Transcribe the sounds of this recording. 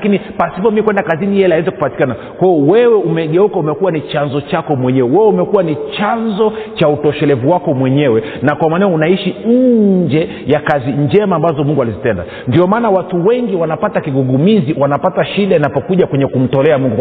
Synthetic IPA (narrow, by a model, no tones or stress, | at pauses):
akinipasipɔmikwɛndakazinijɛlaɛzɛku̥pati̥kana | kwajɔwɛwɛumɛɠɛukaumɛkuwanit͡ʃanzɔt͡ʃakɔmwɛɲɛwɛwɛwɛumɛkuwanit͡ʃanzɔt͡ʃautɔʃɛlɛvuwakɔmwɛɲɛwɛ | nakwamanɛɔunaiʃin̩d͡ʒɛ | jakaziɲd͡ʒɛmaːmbazɔmuŋɡualizitɛnda̰ | ndiɔmaːnawatuwɛŋɡiwanapatakiɡuɠumiziwanapataʃiɗainapɔkuʄakwɛɲɛkum̩tɔlɛamuŋɡu